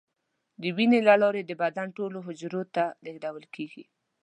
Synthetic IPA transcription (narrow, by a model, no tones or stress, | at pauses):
d̪əwinelalɑɾed̪əbad̪anʈoloɦʊd͡ʒɾot̪aleɡdawəlkeɡḭ